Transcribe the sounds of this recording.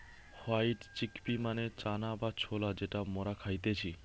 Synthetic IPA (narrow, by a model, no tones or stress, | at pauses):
hajʈt͡ɕikpimanet͡ɕanabat͡ɕʰolad͡ʑeʈamoɾakʰajt̪et͡ɕʰi